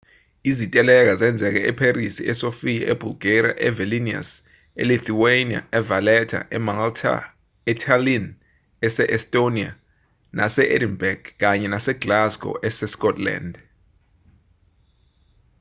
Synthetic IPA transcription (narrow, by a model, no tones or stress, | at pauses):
izitʼɛlɛk̬azɛnd͡zʱɛk̬ɛʔɛpʰerisḭɛsofijaʔɛbʱulɡ̥era̰ʔɛvɛlinia̰s | ḛliθiwenia̰ɛvalɛtʰa̰ʔɛmaŋltʰa̰ | ɛtʰalin | ɛsɛʔɛstʼonia̰ | nʔasɛʔedinbɛɡ̥k̬aɲɛnasɛɡlaskʼɔ̰ʔɛsɛskʼɔtʰʼla̰nd